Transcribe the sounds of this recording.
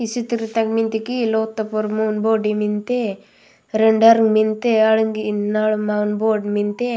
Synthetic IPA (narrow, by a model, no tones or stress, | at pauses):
isit̪iɾit̪akmint̪ikiloːt̪ːɐpoɾmunboːɖimint̪e | ɾeɳɖaɾŋɡmint̪eaɭuŋɡinaɭmawnboːɖmint̪e